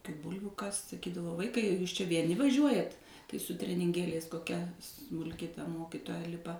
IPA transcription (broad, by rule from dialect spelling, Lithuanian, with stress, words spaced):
kɐɪ ˈbʊlʲʋʲʊ kɐst sɐˈkʲiːdɐʋoː ˈʋɐɪkɐɪ juːs t͡ʃʲɛ ʋʲiɛˈnʲɪ ʋɐˈʒʲuɔjɛt tɐɪ sʊ tʲrʲɛnʲɪŋʲˈɡʲeːlʲɛɪs koːˈkʲɛ smʊlʲˈkʲɪ tɐ ˈmoːkʲɪtoːjɛ ˈlʲɪpɐ